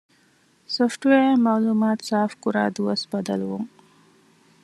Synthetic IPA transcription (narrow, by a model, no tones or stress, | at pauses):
sofʈʋeːmaːluːmaːt̪saːfkuɾa̰ːd̪uɐsbɐd̪ɐ̰lʋuŋ